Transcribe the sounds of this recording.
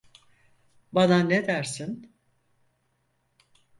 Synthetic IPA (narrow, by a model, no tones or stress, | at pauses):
bananːed̪æɾsin